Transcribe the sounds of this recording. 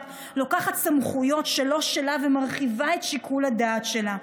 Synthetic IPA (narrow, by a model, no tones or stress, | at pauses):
lokaχat̪samχujo̞tʃelo̞ʃelavemaʁχivae̞tʃikʰulad̪aːtʃe̞la